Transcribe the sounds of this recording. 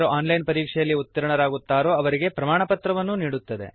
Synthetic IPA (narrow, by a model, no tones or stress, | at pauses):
ɾoʔaːnlɐjnpɐɾiːkʂɛjɐlːiut̪ːɐɾɐɳɐɾaːɡut̪ːaːɾoːɐʋɐɾiɡe̞pɾɐmaːɳɐpɐt̪ɾɐʋɐnːuniːɽut̪ːɐd̪e̞̰